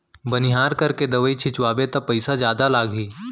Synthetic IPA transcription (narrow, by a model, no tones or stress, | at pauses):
bɐnɪɦaːɾkɐɾked̪ɐʋəit͡ʃʰɪt͡ʃʋaːbet̪ɐpɐɪsazjaːd̪alaːɡiː